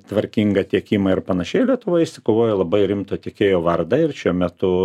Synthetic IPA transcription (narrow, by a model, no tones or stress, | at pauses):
t̪ʋɐɾʲkʲiŋɡɐt̪ʲiɛkʲiːmɐɪrpɐnɐʃʲɛɪlʲiɛt̪ʊʋoːjɪʃʲsʲɪkoːʋoːjɛlˠɐbɐɪɾʲɪmt̪ɐt̪ʲiɛkʲeːjoːʋɐrd̪ɐɪrʃʲuɔmʲɛt̪ʊ